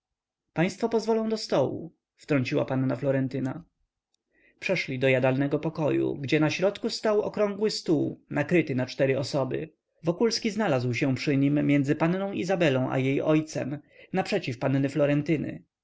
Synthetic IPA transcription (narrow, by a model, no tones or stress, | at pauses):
paj̃st̪fɔpɔzvɔlɔ̃w̃d̪ɔst̪ɔwṵ | ft̪ɾɔɲt͡ɕiwa̰panːaflɔɾɛnt̪ɘna | pʂɛʂlʲid̪ɔjad̪alnɛɡɔpɔkɔjṵɡd͡ʑɛnaɕɾɔt̪kust̪awɔ̰kɾɔ̃ŋɡwɘst̪uwnakɾɘt̪ɘnat͡ʂt̪ɛɾɘɔsɔbɘ̰ | vɔkulskʲiznalazwɕɛ̃pʂɘɲimʲːjɛnd̪zɘpannɔ̃w̃izabɛlɔ̃w̃ʔa̰jejɔjt̪sɛ̰mnapʂɛt͡ɕifpannɘflɔɾɛnt̪ɘnɘ̰